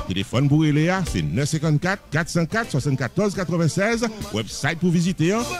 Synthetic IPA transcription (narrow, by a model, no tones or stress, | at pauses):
t̪elefɔnpuʁeleasɛ̰nœfsɛ̃kɑ̃t̪̚kat̪kat̪sɑ̃kat̪swasɑ̃nt̪̚kat̪ɔʁzkat̪χəvɛ̃sɛzwɛbsajt̪̚puvizit̪eã